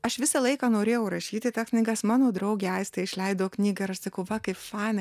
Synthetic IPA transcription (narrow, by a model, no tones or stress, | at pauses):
ɐʃʋʲɪsɐlˠɐɪkɑːnoːɾʲeːjɛʊɾɐʃʲiːt̪ʲɪt̪ɑːksʲnʲiːɡɐsmɑːnoːd̪ɾɐʊɡʲeːɐɪst̪ɐɪʃʲlʲɛɪd̪oːknʲiːɡɐɪɾɐʃsɐkɐʊʋɐkɐɪpfɑɪnɐ